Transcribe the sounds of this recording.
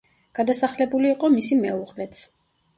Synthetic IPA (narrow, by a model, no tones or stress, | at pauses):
ɡ̥ad̪asaχlɛbuliːqʼɔmisimɛuʁlɛt̪sʰ